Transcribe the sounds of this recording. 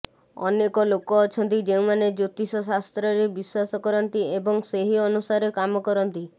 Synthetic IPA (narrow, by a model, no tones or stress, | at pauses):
ɔ̰nekɔlokɔːt͡ʃʰɔnt̪id͡ʒeũmaned͡ʒot̪isɔs̬ast̪ɾɔɾebiswasɔkɔɾɔnt̪iebɔŋseɦiɔnusaɾekamɔkɔɾɔnt̪i